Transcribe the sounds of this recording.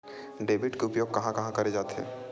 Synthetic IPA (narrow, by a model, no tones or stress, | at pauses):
ɖeːbɪʈkeʊpjoːɡ̚kɐɦãkɐɦãkɐɾed͡ʒaːt̪ɦɛ̰̃ː